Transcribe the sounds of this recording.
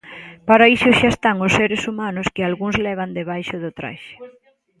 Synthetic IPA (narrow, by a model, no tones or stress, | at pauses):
paɾaiʃosʃaest̪aŋʊsːeɾesumanʊskɪalɣuŋzlɛβ̞and̪eβajʃʊðʊt̪ɾa̰ʃɪ̥